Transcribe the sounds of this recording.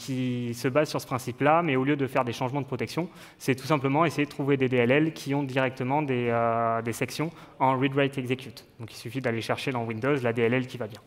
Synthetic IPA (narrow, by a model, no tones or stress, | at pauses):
kʲisəbazsyʁsə̥pχɛ̃siplamɛoljød̪əfɛʁd̪eʃɑ̃ʒmɑ̃d̪əpχɔt̪ɛksjɔ̃ | sɛt̪u̥sɛ̃pləmɑ̃esejed̪ət̪χuved̪ed̪eɛlɛlkʲʰiɔ̃d̪iʁɛk̚t̪əmɑ̃d̪eød̪esɛksjɔ̃ | ɑ̃ʁid̪ʁajt̪ɛɡzekʲyt̪d̪̥ɔ̃kilsyfid̪aleʃɛʁʃed̪ɑ̃wĩnd̪ozlad̪eɛlɛlkʲivabjɛ̃